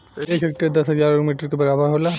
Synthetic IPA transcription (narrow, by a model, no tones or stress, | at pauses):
eːkɦɐk̚ʈəd̪ɐsɦɐzaːɾomiːʈəɾkebɐɾaːbəɾɦoːla